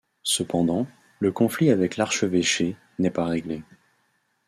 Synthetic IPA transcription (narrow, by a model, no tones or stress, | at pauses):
səpɑ̃d̪ɑ̃ | ləkɔ̃fliavɛklaʁʃəveʃe | nɛpaʁeɡle